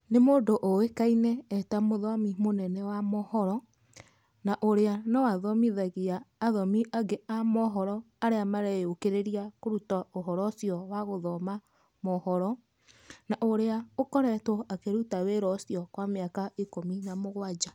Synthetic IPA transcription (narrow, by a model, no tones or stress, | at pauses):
nemoːdoʔowekainɛːtamoðɔmimonɛnɛwamɔhɔɾɔ | naʔoɾeanɔwaðɔmiðaɣiaːðɔmiʔaɡeʔamɔɦɔɾɔ | aɾeamaɾɛokeɾeɾiakoɾutaoɦɔɾɔsjɔwaɣoðɔma | mɔhɔɾɔ | naʔoɾeaokɔɾɛtɔakeɾutaweɾɔsjɔkwameakaikominamoɣwad͡ʒa